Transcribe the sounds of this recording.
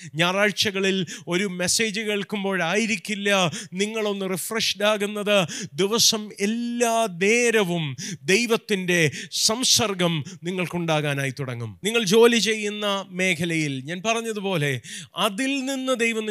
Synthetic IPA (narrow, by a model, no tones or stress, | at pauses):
ɲaːraːɻt͡ɕɐɣɐɭilo̞ɾume̞se̞ːd͡ʑɨke̞ːɭkumbo̞ːɻaːjiɾikʲːilːɐniŋːɐɭo̞nːɨrifrɐʂʈaːɣunːɐðɨd̪iʋɐsɐmelːaːne̞ːɾɐʋumd̪e̞jʋɐt̪ːinde̞sɐmsɐrɡɐmniŋːɐɭkuɳɖaːɣaːnaːjit̪uɽɐŋːṵmniŋːɐɭd͡ʑo̞ːlit͡ɕe̞jːunːɐme̞ːkʰɐlɐjilɲaːnpɐrɐɲːɐðupo̞ːle̞ɐðilninːɨd̪ejʋɐ